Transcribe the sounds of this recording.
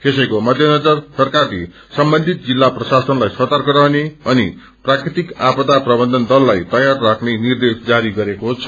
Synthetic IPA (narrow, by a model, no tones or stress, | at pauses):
kesʌjkomʌd̪ʱjʌnʌd͡zʌrsʌrkali | sʌmbʌnd̪ʱit̪̚d͡zilːaprʌsasʌnlajsʌt̪arkʌɾʌɦneʌni | prakrit̪ikapʌt̪aprʌbʌnd̪ʱʌnd̪ʌlːajt̪ʌjarːakʰnenird̪esd͡zaɾiɡʌɾekoɦt͡sʰʌ̥